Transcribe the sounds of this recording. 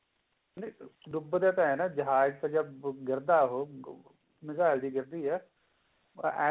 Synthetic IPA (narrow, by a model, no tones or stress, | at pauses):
neɖ̪ʊbd̪eːt̪ãːɦɛːnaːd͡ʒəɦaːd͡ʒt̪ad͡ʒəbɡɪɾd̪aːɦoː | mɪzaːld̪iːɡɪɾd̪iːɦɛː | ʔɛː